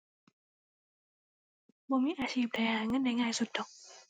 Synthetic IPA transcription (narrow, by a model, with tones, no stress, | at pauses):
bɔ˨mi˧˥ʔaː˨˩t͡ɕi˧˩˨p̚ɗa˨jhaː˨˧˩ŋə˧˥nːa˨˧˩jŋaː˧˨jsu˧˩t̪̚ːɔ˨k̚